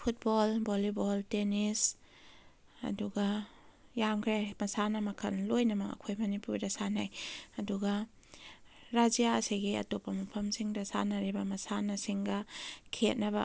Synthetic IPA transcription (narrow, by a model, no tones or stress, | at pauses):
pʰut̚bolboliboltenis | ɐ̰duɡɐ | jamkʰɾamɐsanɐmɐkʰɐnlojnɐmɐɐ̰kʰojmɐnipuɾdɐsanajɐduɡɐ | ɾad͡ʒijaɐsiɡiɐ̰topːɐmɐpʰɐmsiŋdɐsa̰nɐɾibɐmɐsanɐsiŋɡɐkʰet̚nɐbɐ̰